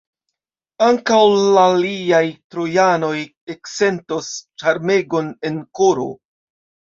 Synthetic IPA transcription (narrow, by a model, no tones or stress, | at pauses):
aŋkawlaliajtɾojano̞j | ekse̞nto̞st͡ʃaɾme̞ɡo̞ne̞nkoɾo̰